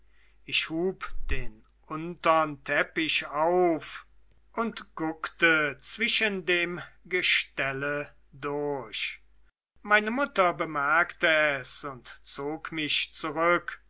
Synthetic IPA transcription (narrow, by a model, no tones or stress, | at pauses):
ʔɪʃhuːpd̥eːn | ʔʊntɐntʰɛpɪɕaʊf | ʔʊntɡ̥ʊktət͡sv̥ɪʃəndeːmɡəʃtɛlə | dʊɐɕ | maɪnəmʊtɐbəmaɐktəɛsʊntt͡soːkmɪçt͡suʁʏk